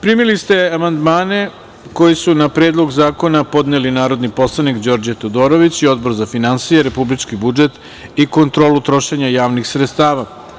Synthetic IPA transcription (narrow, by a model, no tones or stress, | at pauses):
pɾimilist̪e̞amand̪maːne̞ | ko̞jisunapɾe̞ːd̪lˠo̞ɡzaːko̞napo̞d̪nelinaːɾo̞d̪nipo̞slˠanikd͡ʑo̞ːɾd͡ʑat̪od̪o̞ːɾo̞ʋit͡ɕio̞d̪̚bo̞ɾzafinansijeɾe̞publit͡ʃkibud͡ʒe̞t̪ | iko̞nt̪ɾo̞ːlut̪ɾo̞ʃe̞ɲajaːʋnixsɾet̪st̪aːʋa